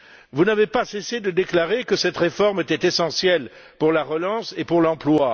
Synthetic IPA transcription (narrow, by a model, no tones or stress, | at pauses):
vunavepasesed̪əd̪eklaʁekəsɛt̪ʁefɔʁmet̪ɛt̪esɑ̃sjɛl | puʁlaʁəlɑ̃sepuʁlɑ̃plwa